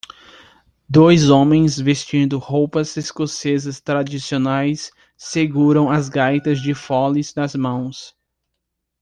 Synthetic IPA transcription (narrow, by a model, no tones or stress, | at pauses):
d̪ojzõmẽj̃svest͡ʃĩnd̪ʊhowpɐzeskosezɐst̪ɾad͡ʒisionajsː | eɡuɾɐ̃w̃ɐzɡajt̪ɐzd͡ʒɪfɔlizd̪ɐzmɐ̃w̃s